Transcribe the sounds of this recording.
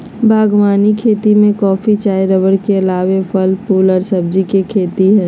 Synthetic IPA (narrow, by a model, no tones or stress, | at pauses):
bʱaːɡwaːnikʰeːt̪imẽkɔːfit͡ʃaːjɾəʋəɽkeɐlaːʋepʰəlpʰuːlɔːɾsəb̚d͡ʒikekʰeːt̪iɦɛ̃ː